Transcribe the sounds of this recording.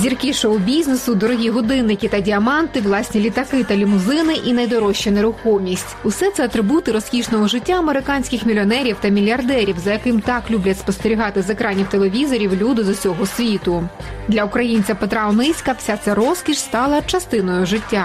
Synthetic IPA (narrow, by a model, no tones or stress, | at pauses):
zʲirkɪʃɔwʊbʲizʲnesʊd̪ɔɾɔɦʲiɦɔd̪ɪnːɪkʲɪt̪ɐdʲiɐmɑnt̪ɪwlˠɑsʲnʲilʲit̪ɐkɪt̪ɐlʲimʊzɪnɪʔinɐjd̪ɔɾɔɕːɛneɾʊxɔwmʲisʲtʲʊsɛt̪sɛɐt̪ɾɪbut̪ɪɾɔskʲiʃnɔɦɔʒɪtʲːaɐmeɾɪkɑnʲsʲkʲɪxmʲilʲɔnɛɾʲiwt̪ɐmʲilʲɐrd̪ɛɾʲiwzɐjɐkɪmt̪ɑklʲublʲɐtʲspɔst̪eɾʲiɦɑt̪ɪzekɾɑnʲiwt̪elˠeʋʲizɔɾʲiwlʲud̪ɪd̪ɔsʲɔɦɔsʲʋʲit̪ʊd̪lʲɐʊkɾɐjinʲt͡sʲɐpet̪ɾɑɔnɪsʲkɐwsʲat̪sɛɾɔskʲiʃst̪ɑlˠɐt͡ʃɐst̪ɪnɔjʊʒɪtʲːa